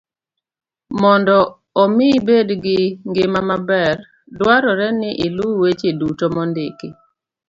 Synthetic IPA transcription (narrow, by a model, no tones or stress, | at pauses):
mɔndɔ | ɔmɪbedɡɪŋɡɪmamabɛr | dwaɾɔɾɛnɪʔiluwet͡ʃedutomɔndɪki